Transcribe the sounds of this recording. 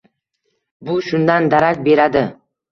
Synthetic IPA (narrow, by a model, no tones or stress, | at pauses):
bʊʃʊnd̪and̪aɾakʲbe̞ɾad̪ɪ